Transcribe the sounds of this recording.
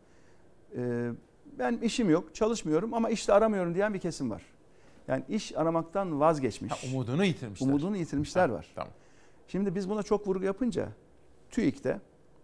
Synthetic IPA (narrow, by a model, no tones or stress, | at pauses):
ɛː | bæniʃimjo̞kt͡ʃʰalˠɯʃmɯjo̞ɾumamaiʃlʲɛːɾamɯjo̞ɾumd̪ijænbicʰe̞simva̰ɾ̥ | ja̰ːniʔiʃaɾamak̚t̪ʰanvazɟɛt͡ʃmiumud̪unujit̪ʰiɾmiumud̪unujit̪ʰiɾmiʃlʲæɾva̰ɾ̥̰ | ʃimd̪ibizbunat͡ʃʰo̞kvuɾjapʰɯnd͡ʒa̰ | t̪ʰyict̪ʰɛ̰